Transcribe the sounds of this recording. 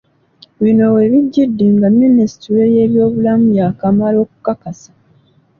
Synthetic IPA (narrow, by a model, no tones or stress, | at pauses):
βino̞we̞βiɟːidːiŋɡamːinisi̥tiɾeje̞ːβjo̞ːβulamuβjakamalo̞ːku̥kakasḁ